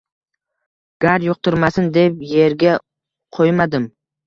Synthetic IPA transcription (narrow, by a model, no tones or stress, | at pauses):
ɡ̥aɾjoq̚t̪ʰʊɾmasɪnd̪e̞pje̞ɾɡʲa | qʰojmad̪ɪm